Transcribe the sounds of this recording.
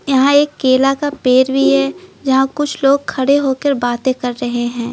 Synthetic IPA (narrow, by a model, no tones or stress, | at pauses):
jɐɦãeːkːeːlakapeːɾbʱiɦɛd͡ʒɐɦãkʊt͡ʃʰloːɡ̚kʰɐɽeɦoːkəɾbaːt̪ẽkɐɾːɐɦeɦɛ̃ː